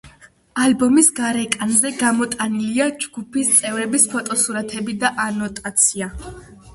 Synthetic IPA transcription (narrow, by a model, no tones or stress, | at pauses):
albɔmisɡaɾɛkʼanzɛɡamɔt̪ʼaniliad͡ʒɡ̥upʰist̪sʼɛvɾɛbispʰɔt̪ʼɔsuɾat̪ʰɛbid̪aʔanɔt̪ʼat̪sʰia